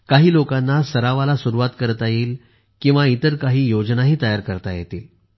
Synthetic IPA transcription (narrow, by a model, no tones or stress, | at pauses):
kaɦiːlokanːasəɾaʋalasuɾuʋat̪kəɾt̪ajiːl | kĩw̃ʋait̪əɾkaɦiːjod͡znaɦiːt̪əjaɾkəɾt̪ajet̪iːl